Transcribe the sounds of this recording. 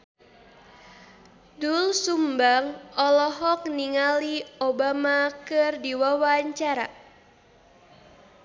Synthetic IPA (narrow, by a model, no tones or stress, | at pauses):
dulsumbaŋɔlɔɦɔk̚niŋaliobamakɨrdiwawaɲt͡ʃaɾa̰